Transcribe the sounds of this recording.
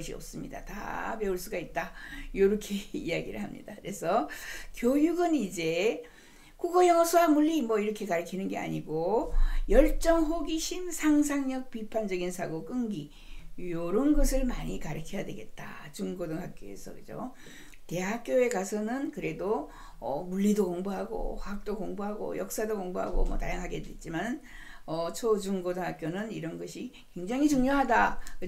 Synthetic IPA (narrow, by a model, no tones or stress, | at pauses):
ɕʰiʌs͈ɯmɲḭda̰ta̰pe̞uɭs͈uɡait̚t͈ajoɾukʰe̞ḭjaɡḭɾɯ̰ɭhamɲḭdakɯɾe̞sʰʌkjojuɡɯnid͡ʑe̞ | kuɡʌjʌŋʌsʰoamuʎːimwʌiɾʌkʰe̞kaɾɯkʰinɯnɡe̞a̰ɲiɡojʌɭt͡ɕ͈ʌŋɦoɡiɕʰinsʰaŋsʰaŋɲʌk̚pipʰand͡ʑʌɡinsʰaɡok͈ɯŋɡi | joɾonɡʌsʰɯɭmaɲikaɾɯkʰejadwe̞ɡe̞t̚t͈a̰t͡ɕuŋɡodɯŋɦak͈joe̞̰sʰʌ̰kɯd͡ʑo̰ | te̞ɦak̚k͈joe̞kasʰʌnɯnkɯɾe̞do | ʌmuʎːidokoŋboɦaɡo̰ɸaɯk̚t͈okoŋboɦaɡo̰jʌ̰k̚s͈adokoŋboɦa̰ɡo̰mʌ̰ta̰jaŋɦaɡe̞dwet̚t͡ɕ͈imann | ʌt͡ɕʰod͡ʑuŋɡodɯŋɦak͈jonɯniɾʌnɡʌɕʰi | kwe̞ŋd͡ʑaŋit͡ɕuŋɲoɦadakɯ